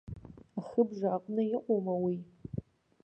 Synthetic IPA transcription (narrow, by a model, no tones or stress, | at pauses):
aχəbʐaːqʷʼnɨɪqʷʼomawi